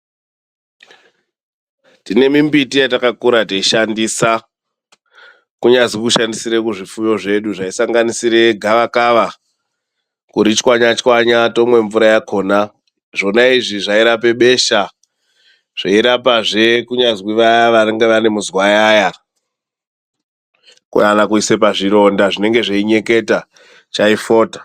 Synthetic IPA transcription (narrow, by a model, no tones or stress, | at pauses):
tine̞mimbitijatakakuɾateiʃandisa | kuɲazikuʃandisiɾe̞kuʐifujo̞ʐe̞ɗuʐaisaŋɡanisiɾe̞ɡʱaʋakaʋa | kuɾit͡ʃkwaɲat͡ʃkwaɲato̞mwe̞ɱvuɾajakʰo̞ːna | ʐo̞naiʐiʐaiɾape̞ɓe̞ʃa | ʐ̥aiɾapaʐe̞kuɲazwiʋajaʋaneŋɡe̞ʋane̞muzwajaja | kṵjanakuise̞paʐiɾo̞ndaʐine̞ŋɡe̞ʐaiɲe̞ke̞ta | t͡ʃaifo̞ːtḁ